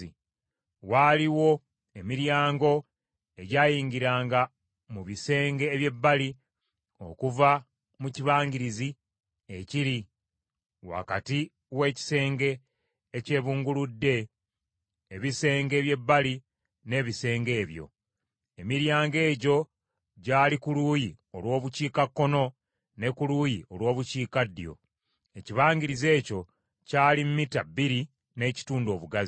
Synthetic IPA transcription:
i | waːliwo̞ | emiɾjaːŋɡo̞ | e̞ɟaːjiːɲɡiɾaːŋɡa | muβise̞ːŋɡe̞ːβje̞bːali | o̞̰kuva | muciβaːɲɡiɾizi | eciɾi | wa̰kati | we̞ːci̥se̞ːŋɡe̞ː | ce̞ːβuːŋɡuludːe̞ | eβise̞ːŋɡe̞ːβje̞bːali | ne̞ːβise̞ːŋɡe̞ːβjo̞̰ | emiɾjaːŋɡe̞ːɟo̞ | ɟaːlikuluːjio̞lwo̞ːβuciːkakːo̞no̞ | ne̞kuluːjio̞lwo̞ːβuciːkadːḭjo̞̰ | e̞ciβaːŋɡiɾize̞ːco̞ | caːlimumitabːiɾi | ne̞ːci̥tuːndo̞ːβuɡazi

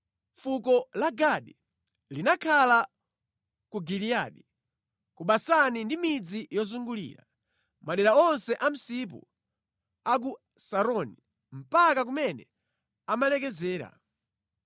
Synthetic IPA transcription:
fukɔlaɡaɗi | linakʰala | kuɡiliaɗi | kuɓasanindimid͡zijɔzuŋɡulḭːɾa̰ | maɗɛɾaɔnsɛʔam̩sip̬ṵ | ak̬u | saɾɔni | m̩pakak̬umɛnɛ | amalɛk̬ɛzɛːɾa̰

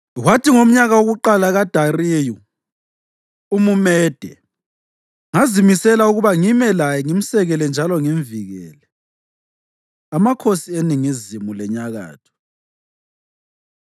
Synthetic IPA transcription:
watʰiŋom̩ɲaɣawoɣuǃalaɣad̥ʱariːju | umumɛːd̥ʱɛ | ŋazimisɛlauɣuβaŋimɛlajɛŋim̩sɛɣɛlɛnd͡ʒʱalɔŋiɱviɣɛ̰ːlɛ | amakʰosieniŋizimulɛɲaɣa̰ːtʰɔ̥

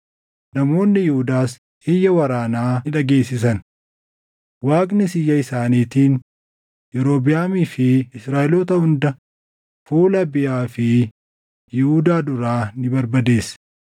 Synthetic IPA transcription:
nɐmo̞ːnːɪjɪhʊd̪aːs | hɪjːɐwɐɾaːnaːɪᶑɐɡe̞ːsːɪsɐn | waːkʼnɪsɪjːɐɪsaːniːt̪iːn | jɛɾo̞ːbɪjaːmifɪɪsɾaːʔɪloːt̪ɐhʊnd̪ɐ | fuːlɐbɪjaːfɪ | jɪhuːd̪aːd̪ʊɾaːnɪbɐɾbɐd̪e̞ːs

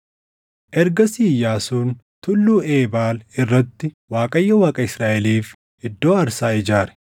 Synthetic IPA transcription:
ʔɛɾɡɐsiːjːaːsuːnt̪ʊlːuːe̞ːbaːlɪrːɐt̪ːɪ | waːkʼɐjːɐwaːkʼɐɪsɾaːʔɛliːf | ɪd̪ːo̞ːɐɾsaːɪd͡ʒaːɾɛ̥

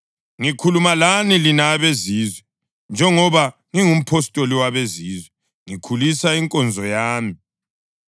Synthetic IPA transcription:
ŋikʰulumalanilinaβeziːzwɛ | nd͡ʒʱɛŋɔβaŋiŋum̩pʰɔstʼoliwaβeziːzwɛ | ŋikʰulisaiŋkʼɔnd͡zʱɔjaːmi

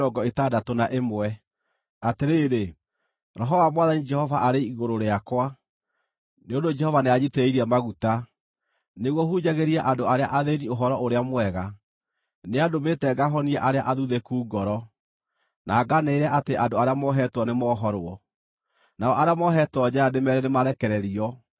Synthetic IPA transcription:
ɾɔɡɔetaːdatonaʔemwɛ | ateɾeɾe | ɾɔɦɔwamwaðanid͡ʒɛhɔvaʔaɾeiɣoɾoɾeakwa | neondod͡ʒɛhɔvaneaɲetɛiɾiamaɣuta | neɣwɔhuɲaɣeɾiɛʔandoaɾeaʔaðenioɦɔɾɔʔoɾeamwɛɣa | neadometɛɡaɦɔniɛʔaɾeaʔaðuðɛkuːɡɔɾɔ | naːɡaneːɾɛʔateandoaɾeamɔɦɛtwɔnemɔːɦɔɾwɔ | naɔʔaɾeamɔɦɛtwɔd͡ʑajademɛɾɛnemaɾɛkɛɾɛɾiɔ

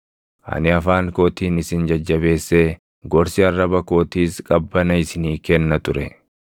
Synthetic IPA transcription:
ʔɐ̰nɪɐfaːŋko̞ːt̪iːnɪsɪnd͡ʒɐd͡ʒːɐβe̞ːsːeː | ɡɔɾsɪɐrːɐbɐko̞ːt̪iːskʼɐbːɐnɐɪsɪniːkɛnːɐt̪ʊɾɛ

